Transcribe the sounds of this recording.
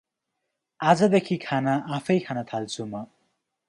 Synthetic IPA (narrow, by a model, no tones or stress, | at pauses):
ad͡zʌd̪ekʰikʰanaʔapʰʌjkʰanat̪ʰalt͡sʰumʌ